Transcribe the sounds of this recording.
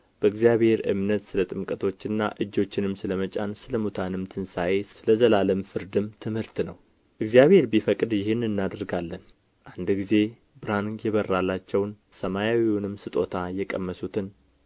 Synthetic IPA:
b̥əɨɡzijaβhe̞ɾɨ̰mnət̪sɨlət̪ʼɨmkʼət̪ʰo̞t͡ʃːɨnːa̰ʔɨd͡ʒːo̞t͡ʃːɪnɨmsɨləmət͡ʃʼansɨləmut̪ʰanɨmt̪ʰɨnsajessɨləzəlaləmfɨɾd̪ɨmt̪ʰɨmhɨɾt̪nəw | ʔɨɡzijaβhe̞ɾbifəkʼd̪jɪɦhɪnːɨnːad̪ɾɡalːən | ʔand̪ɡize̞ | bɨɾanjɛβərːalːat͡ʃːɛwn | səmajawiunɨmsɨt̪ʼo̞t̪ʰajɛkʼəmːəsut̪ʰɨn

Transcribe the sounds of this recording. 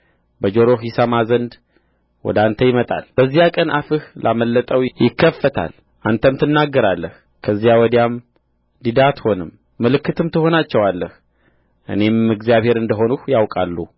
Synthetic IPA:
bəd͡ʒo̞ɾo̞ɦisamazənd̪ | wɔ̰d̪ant̪ʰəjɪmət̪ʼa̰lb̥əzːijakʼənʔafɨhlʔaməlːət̪ʼəwjɪkʰːəfːət̪ʰa̰l | ʔant̪ʰəmt̪ʰɨnːaɡːəɾalːəh | kʰəzːijawɔd̪jam | d̪id̪at̪ho̞nɨmː | ɨlɨkːɨt̪ʰɨmt̪ʰɨho̞nat͡ʃːɛwalːəh | ʔɨ̰ne̞mɨɡzijaβhe̞ɾɨnd̪əɦo̞nuhjawkʼalːu

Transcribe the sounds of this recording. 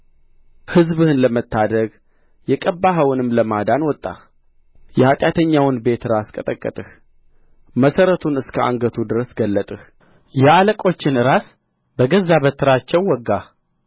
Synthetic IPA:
hɨzbɨhɨnləmət̪ʰːad̪əɡ | jɛkʼəbːaɦəwɨnɨmləmad̪anwɔt̪ʼːa̰ | jɛhat̪ʼjat̪ʰəɲːawɨnbe̞t̪ɨɾaskʼət̪ʼəkʼːə̰t̪ʼɨh | məsəɾət̪ʰunɨskʰəa̰ŋɡət̪ʰud̪ɨɾəsɡəlːət̪ʼɨh | jɛaləkʼo̞t͡ʃːɪnɨɾas | bəɡəzːaβət̪ːɨɾat͡ʃːɛwːɔɡːa

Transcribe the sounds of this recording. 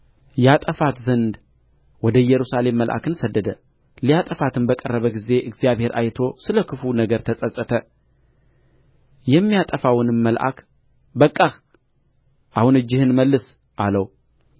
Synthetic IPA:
jat̪ʼəfat̪zənd̪ | wɔd̪əjɛɾusale̞mːəlʔa̰kɨnsəd̪ːəd̪ə | lijat̪ʼəfat̪ʰɨnbəkʼərːəβəɡize̞ʔɨɡzijaβhe̞ɾʔa̰jt̪ʰo̞sɨləkʰɨfunəɡəɾt̪ʰəsʼəsʼət̪ʰə | jɛmːijat̪ʼəfawɨnɨmːəlʔa̰k | bəkʼːa | ʔahunɨd͡ʒːɪhɨnməlːɨs | ʔaləw

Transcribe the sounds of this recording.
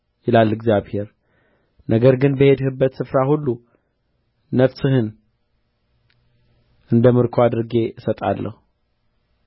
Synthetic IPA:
jɪlalːɨɡzjaβhe̞ɾ | nʔəɡəɾɡɨnbəhe̞d̪hɨbːət̪sɨfɾahulːu | nəfsɨhɨn | ʔɨnd̪əmɨɾkʰoad̪ɨɾɡe̞ɨsət̪ʼa̰lːə̰hu

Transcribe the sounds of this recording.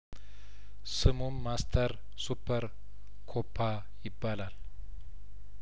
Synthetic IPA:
sɨmumːast̪ʰəɾ | supʰːəɾ | kʰopʰːa | jɪbːalal

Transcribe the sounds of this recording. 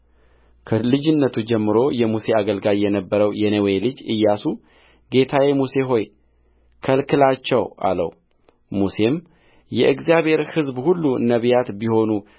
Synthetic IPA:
kʰəlɨd͡ʒɪnːət̪ʰud͡ʒɛmːɨɾo̞jɛmuse̞aɡəlɡaljɛnəbːəɾəwjɛnəwelɨd͡ʒɨjːasu | ɡe̞t̪ʰawemuse̞ɦo̞j | kʰəlkʰɨlat͡ʃːɛwʔa̰lə̰w | muse̞m | jɛʔɨɡzjaβhe̞ɾhɨzbhulːunəβjat̪biho̞nu

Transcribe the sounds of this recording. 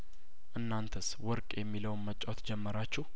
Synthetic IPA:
ʔɨnːant̪ʰəswɔɾkʼjɛmːiləwnmət͡ʃʼːawot̪d͡ʒɛmːəɾat͡ʃːɪh

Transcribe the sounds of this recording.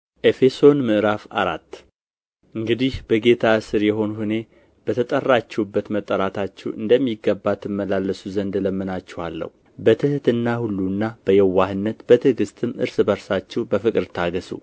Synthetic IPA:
ʔe̞fe̞so̞nmɨʔɾafa̰ɾa̰t̪ː | ʔɨŋɡɨd̪ihb̥əɡe̞t̪ʰasɨɾjɛɦo̞nuhune̞ | b̥ət̪ʰət̪ʼərːat͡ʃːɛwubːət̪mət̪ʼːəɾat̪ʰat͡ʃːɛwɨ̰nd̪əmːiɡːəbːat̪ʰːɨmːəlalːəsuzənd̪ləmːɨnat͡ʃːɛhalːə̰hu | bət̪ʰɨht̪ɨnːahulːunːab̥əjɛwːahɨnːət̪b̥ət̪ʰɨɡɨst̪ʰʼɨmʔɨ̰ɾsɨbəɾsat͡ʃːɛwbəfɨkʼɨɾt̪ʰaɡəsṵ

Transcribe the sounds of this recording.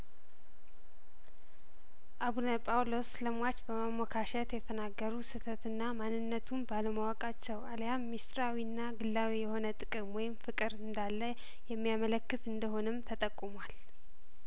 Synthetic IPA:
ʔaβunəpʼawlo̞sləmwat͡ʃbəmamɔkʰaʃət̪jɛt̪ʰənaɡːəɾusɨt̪ʰət̪ɨnːamanːɨnːət̪ʰumbaləmawakʼat͡ʃːɛwaljamːist̪ɾawinːaɡɨlːawijɛho̞nət̪ʼɨkʼɨmwɔjɪmfɨkʼɨɾɨnd̪alːə | jɛmːijamələkːɨt̪ɨnd̪əɦo̞nɨmt̪ʰət̪ʼəkʼːumwal

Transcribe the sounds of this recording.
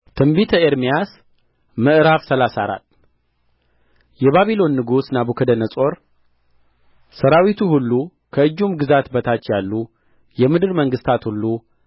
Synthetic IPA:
t̪ʰɨmbit̪ʰəeɾmijas | məʔɨɾaβsəlasaɾa̰t̪ː | jɛβaβilo̞nːɨɡusnabukʰəd̪ənəsʼo̞ɾ | səɾawit̪ʰuhulːu | kʰəɨd͡ʒːumɡɨzat̪bət̪ʰat͡ʃːjalːu | jɛmɨd̪ɨɾməŋɡɨst̪ʰat̪hulːu

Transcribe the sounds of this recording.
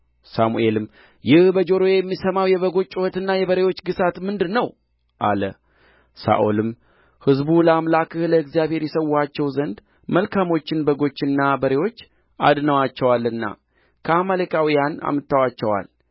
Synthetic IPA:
samṵʔe̞lɨm | jɪhbəd͡ʒo̞ɾo̞jɛmːisəmawjɛβəɡo̞t͡ʃʼːuwət̪ɨnːajɛβəɾewo̞t͡ʃːɡɨsat̪mɨnd̪ɨnːəw | ʔa̰lə̰ | sa̰ʔolɨm | hɨzbuləamlakʰɨhləɨɡzijaβhe̞ɾjɛsəwːat͡ʃːɛwzənd̪ | məlkʰamo̞t͡ʃːɪnbəɡo̞t͡ʃːɨnːabəɾe̞wo̞t͡ʃː | ʔa̰d̪nəwat͡ʃːɛwalɨnːa̰ | kʰəamələkʼawijana̰mɨt̪ːawat͡ʃːɛwa̰l

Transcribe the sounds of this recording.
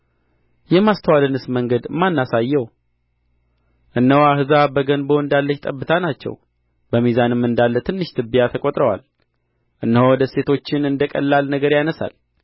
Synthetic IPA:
jɛmast̪ʰəwalɨnɨsməŋɡəd̪mːanːasajːɛw | ʔɨnːəwahɨzabəɡənboɨnd̪alːəʃt̪ʼəbːɨt̪ʰanat͡ʃːɛ̰w | bəmizanɨmːɨnd̪alːət̪ʰɨnːɨʃt̪ʰɨbijat̪ʰəkʼot̪ʼɾəwa̰l | ʔɨnːəhowɔd̪əse̞t̪ʰo̞t͡ʃːɪnɨnd̪əkʼə̰lːalnəɡəɾjanəsa̰l

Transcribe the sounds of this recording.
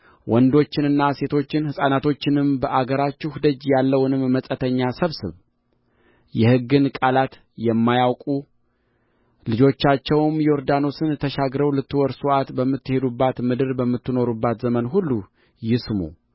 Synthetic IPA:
wʔɔnd̪o̞t͡ʃːɪnɨnːase̞t̪ʰo̞t͡ʃːɪnhɨsʼanat̪ʰo̞t͡ʃːɪnɨmbəʔaɡəɾat͡ʃːuhd̪əd͡ʒjalːəwnɨmːəsʼət̪ʰəɲːasəβsɨβ | jɛhɨɡːɨnkʼalat̪ | jɛmːajawkʼu | lɨd͡ʒo̞t͡ʃːat͡ʃːɛwmjoɾd̪ano̞sɨnt̪ʰəʃaɡɾəwlɨt̪ːɨwɔɾsuʔat̪bəmːɨt̪ːɨhe̞d̪ubːat̪mɨd̪ɨɾbəmːɨt̪ːɨno̞ɾubːat̪zəmənɦulːu | jɪsmṵ

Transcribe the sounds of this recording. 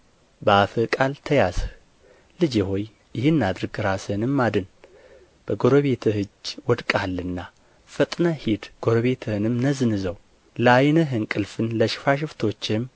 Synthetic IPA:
bəafɨkʼalt̪ʰəjasə | lɨd͡ʒeho̞j | jɪhɨnːad̪ɾɨɡɨɾasɨnɨmːad̪ɨn | b̥əɡoɾoβet̪ʰɨhɨd͡ʒwɔd̪kʼalːɨnːa | fət̪ʼnahid̪ɡ̥oɾoβe̞t̪ʰɨhɨnɨmnəzɨnɨzəw | ləajnəɦɨnkʼɨlfɨnləʃɪ̥faʃ̬ɪft̪ʰo̞t͡ʃːɪm

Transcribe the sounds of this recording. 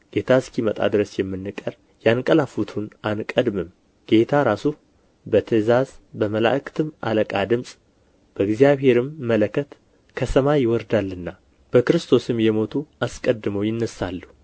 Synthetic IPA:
ɡ̥e̞t̪ʰaskimət̪ʼa̰d̪ɨɾəsjɛmːɨnːɨkʼəɾ | jankʼəlafut̪ʰunankʼəd̪mɨm | ɡ̥e̞t̪ʰaɾasu | bət̪ʰəzazbəməla̰ʔkɨ̥t̪ʰɨmʔa̰ləkʼad̪ɨmsʼ | b̥əɨɡzijaβhe̞ɾɨmːələkʰːət̪ | kʰəsəmajɪwɔɾd̪alːɨnːa | b̥əkɨɾɨst̪ʰo̞sɨmjɛmo̞t̪ʰuaskʼəd̪ɨməwjɪnːəsalːu

